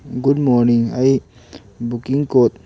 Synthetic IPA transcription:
ɡudmɔːɾniŋai | bukiŋkoːt̪̚

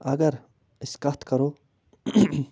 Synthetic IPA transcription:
ɐɡəɾ | ɪskɐt̪ʰkɐɾoː

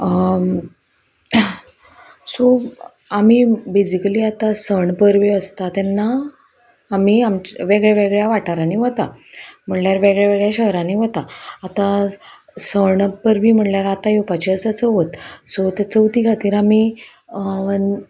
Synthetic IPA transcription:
ə | so | am̤ibed͡ʑikəliːat̪asəɳpəɾʋiəst̪at̪ɛnːaː | miːamt͡ɕʋeɡɭjaʋeɡɭjaʋaʈaɾaniʋət̪am̤əɳljaɾʋeɡɭjaʋeɡɭjaɕəɦɾãniʋət̪aat̪a | səɳpəɾʋiːm̤əɳljaɾat̪ajopat͡ɕiəsət͡səʋət̪sot̪ɛt͡səʋt̪iːɡʰʱat̪iːɾami | ə

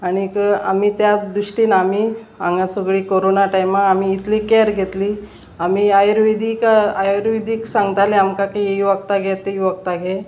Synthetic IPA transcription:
aɽ̃ikəa̰mit̪jad̪ɾuʂʈiːnami | aŋɡãsəɡɭiːkoɾonaʈajmaamiːt̪likeɾɡʱet̪liː | amiajəɾʋid̪ʱiːkajɾʋid̪ʱiːksãŋɡət̪aleamkakieiʋəɡ̚t̪aɡʱet̪ːeiʋəɡt̪aɡe

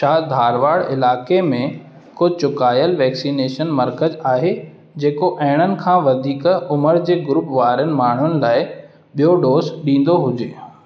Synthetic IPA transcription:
ʃaːd̪ʱaːɾʋaːɽɪlaːkemẽ | kʊt͡ɕʊkaːjəlʋɛːksiːneːʃənmɐɾkəzaːɦe | d͡ʑeːkoʔɐɦɪɽ̃ənɪ̆kʰãːʋɐd̪ʱiːkʊməɾd͡ʑeːɡʊɾʊpʋaːɾənɪ̆maːɳ̤ʊnɪ̆laːɪ | ɓijoɖoːzɗĩːn̆d̪oɦʊd͡ʑeː

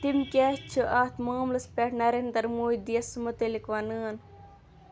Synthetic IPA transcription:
t̪imkʲeːt͡ʃʰɨʔaːt̪moːmlɐspʲeʈnɐɾent̪ɐɾmuːjd̪ijɐsmɐt̪elikʋɐnəːn

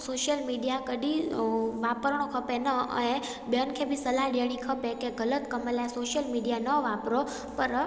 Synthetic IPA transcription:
soʃjəlmiijakəɖiʋapəɾɳ̃okʰəpenəə̰ẽ | bjənkʰebisəlaɖjəɽ̃ikʰəpekeɡələt̪kəməljasoʃjəlmiɖijanəʋapɾo | pəɾ

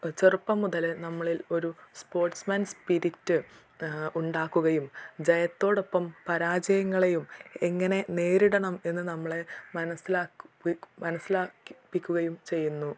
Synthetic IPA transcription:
t͡ɕerupːɐmuðɐlnɐmːɐɭilo̞ɾuspo̞ːrʈsmɐnspiɾitːɨ | uɳɖaːkːuɣɐjumd͡ʑɐjɐt̪ːo̞ːɽo̞pːɐmpɐɾaːd͡ʑɐjɐŋːɐɭejumeŋːɐne̞ne̞ːɾiɽɐɳɐme̞nːɨnɐmːɐɭemɐnɐsːilaːkmɐnɐsːilaːpːikʲːuɣɐjumt͡ɕe̞jːunːu

